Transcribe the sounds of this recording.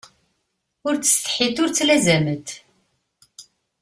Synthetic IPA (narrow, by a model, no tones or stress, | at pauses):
ʊɾt͡sːə̥st̪ħit̪ʊɾt͡sːlæzæmət̪